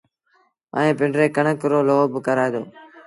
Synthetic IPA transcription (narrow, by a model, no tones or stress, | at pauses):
ə̰ẽːpɪɳɖɾeːkəɳəkɾoːloːbkəɾaːeːd̪o̰ː